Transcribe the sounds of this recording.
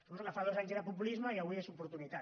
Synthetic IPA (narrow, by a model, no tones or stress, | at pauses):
oookafaðozaɲzðəpupulizmaiaβuiezupuɾt̪unit̪a